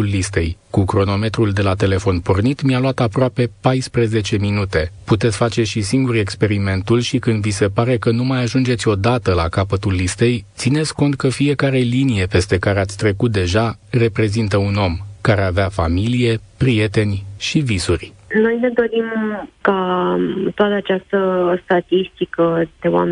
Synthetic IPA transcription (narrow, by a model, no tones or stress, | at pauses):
ulːist̪e̞̰jkukɾo̞no̞me̞t̪ɾuld̪e̞lat̪e̞le̞fo̞npo̞rnit̪mialuat̪apɾoape̞pajspɾəze̞t͡ʃe̞minut̪e̞put̪e̞t̪sʲfat͡ʃe̞ʃisiŋɡuɾe̞kspe̞ɾime̞nt̪ulʃikɨnd̪vise̞paɾe̞kənumajaʒund͡ʒet̪sʲo̞d̪at̪əlakapət̪ulːist̪e̞jt̪sine̞t̪sʲko̞nt̪̚kəfie̞kaɾe̞linije̞pe̞st̪e̞kaɾeat̪sʲt̪ɾe̞kut̪̚d̪e̞ʒare̞pɾe̞zint̪əuno̞mkaɾe̞aveafa̰milije̞pɾije̞t̪e̞nʲʃivisurʲ | no̞jne̞d̪o̞ɾimka | t̪oat̪əat͡ʃast̪əst̪at̪ist̪ikəd̪̥e̞wa̰m